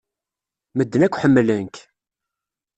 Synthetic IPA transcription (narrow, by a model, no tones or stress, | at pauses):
məd̪ːənækʷːħəmːlənk